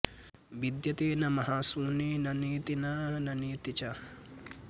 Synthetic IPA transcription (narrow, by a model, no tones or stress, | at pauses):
bid̪jɐt̪eːnɐmɐɦaːsuːneːnɐniːt̪inɐnɐniːt̪it͡ʃɐ